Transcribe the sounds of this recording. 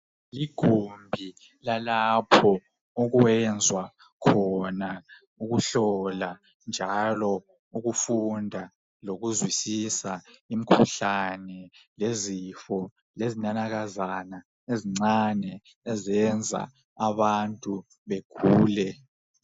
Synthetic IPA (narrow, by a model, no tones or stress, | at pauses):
liɡ̥ʱombʱi | lalapʰɔ | uɣuɛnd͡zʱwa | kʰɔna | uɣuɬɔla | nd͡ʒʱalɔ | uɣufundʱa | loɣuzwisisaimikʰuɬanɛlezifɔ | lezinanaɣazana | eziŋ͡ǀanɛ | ɛzɛnd͡zʱa̰ | aβantʼu | βeɡ̥ʱuːlɛ